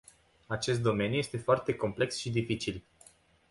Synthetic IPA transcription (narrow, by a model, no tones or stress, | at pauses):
at͡ʃe̞s̬t̪d̪o̞me̞njuje̞st̪e̞foart̪e̞ko̞mple̞ksʃid̪ifit͡ʃil